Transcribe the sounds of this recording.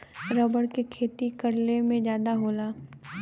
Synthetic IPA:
ɾəbəɽkekʰeːt̪ikɐɽlemẽd͡ʒjaːd̪aɦoːlaː

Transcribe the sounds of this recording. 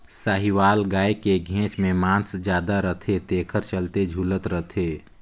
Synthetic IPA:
saːɦiʋaːlɡaːekeɡʱẽːt͡ʃmẽmãːnsd͡ʒjaːd̪aɾət̪ʰet̪eːkʰəɾt͡ʃəlt̪ed͡ʒʱuːlət̪ɾət̪ʰeː

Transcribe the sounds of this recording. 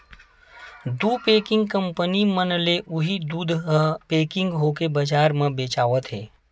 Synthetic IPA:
d̪uːpeːkɪ̃ŋɡkə̃mpənimənleʔʊɦid̪uːd̪ʱɦpeːkɪ̃ŋɡɦoːkebəd͡ʒaːɾmẽbeːt͡ʃaːʋət̪ɦɛː

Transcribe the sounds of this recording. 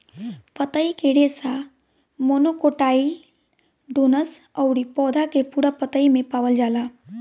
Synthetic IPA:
pət̪əikeɽesa | moːnokoʈaːi | ɖ̪oːnəsəʊɾipɔːd̪ʱakepuɽapət̪əimẽpaːʋəld͡ʒaːlaː

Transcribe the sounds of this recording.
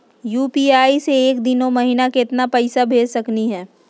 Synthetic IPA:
juːpiːaːiseeːkd̪ɪnõmɐɦinakeɪɪt̪napɐɪsabʱeːd͡ʒsɐkniɦɛː

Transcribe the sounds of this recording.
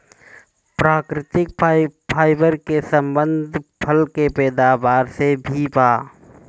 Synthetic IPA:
pɾaːkɾɪt̪ɪk̚pʰaːɪbəɾkesə̃mbə̃nd̪ʱpʰəlkepɛːd̪aːbaːɾsebʱibaː

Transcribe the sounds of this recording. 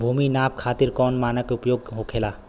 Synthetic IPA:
bʱuːminaːp̚kʰaːt̪ɪɾkɔːnmaːnəkeʊpjoːɡ̚ɦokʰeːlaː

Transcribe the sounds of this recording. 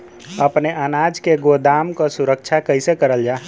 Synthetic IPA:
əpneʔənad͡ʒkeɡod̪amkosuɾək̚t͡ʃʰakəɪsekəɾəld͡ʒaː

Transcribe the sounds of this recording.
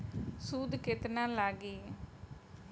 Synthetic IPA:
suːd̪kɪt̪nãːlaːɡiː

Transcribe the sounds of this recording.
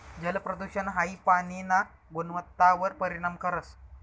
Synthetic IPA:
d͡ʑəlpɾəd̪uɕənɦaiːpañina | ɡonʋət̪ːaʋəɾpəɾiɽ̃amkəɾət͡s

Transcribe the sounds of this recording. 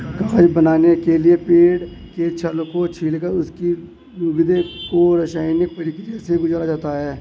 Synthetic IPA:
kɐːd͡ʒbənaːnekeliepeːɽket͡ʃʰɐlkot͡ʃʰiːlkəɾʊski | nuɡɪd̪ekoɾəʃaːɪnɪk̚pɐɽikd͡ʒɛseɡʊd͡ʒɾad͡ʒaːt̪aɦɛː

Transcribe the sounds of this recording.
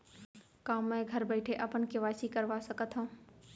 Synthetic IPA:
kaːmːẽɡʱɐɾbəɪʈʰeʔɐpənkeʋaːsikəɾʋasəkət̪ʰɦõː

